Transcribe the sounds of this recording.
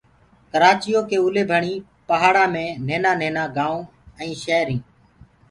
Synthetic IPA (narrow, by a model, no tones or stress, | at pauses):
kəɾaːt͡ʃɪjoːkeːʊleːbʱəɳĩː | pəɦaːɽãːmẽːneːnãːneːnãːɡãːõː | ɛ̃ːʃɛːɾĩː